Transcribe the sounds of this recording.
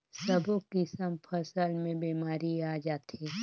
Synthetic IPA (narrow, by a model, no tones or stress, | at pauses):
səbokisəmpʰəsəlmẽbeːmaːɾiaːd͡ʒaːt̪ʰeː